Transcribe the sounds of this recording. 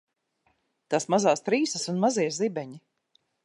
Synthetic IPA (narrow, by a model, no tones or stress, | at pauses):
t̪asmazaːst̪ɾiːsɐsunmaziɛzibɛɲi